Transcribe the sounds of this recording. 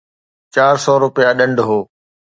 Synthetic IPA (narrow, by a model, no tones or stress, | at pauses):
t͡ɕaːɾsɔːɾʊpɪjaɗə̃ɳɖɦoː